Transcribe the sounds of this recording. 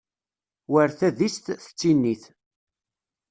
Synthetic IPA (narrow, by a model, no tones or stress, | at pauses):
wəɾθæðist̪θə̥t͡sːinːiθ